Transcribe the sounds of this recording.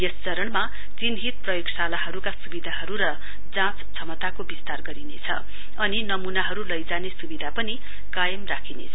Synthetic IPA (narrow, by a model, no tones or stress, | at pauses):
jest͡sʌɾʌɳma | t̪inɦit̪̚prʌjoɡsalaɦʌɾukasubid̪ʱaɦʌɾuɾʌ | d͡zãt͡st͡sʰʌmʌt̪akobist̪arɡʌɾinet͡sʰʌ̰ | ʌninʌmunaɦʌɾulʌjd͡zanesubid̪ʱapʌni | kajʌmrakʰinḛt͡sʰʌ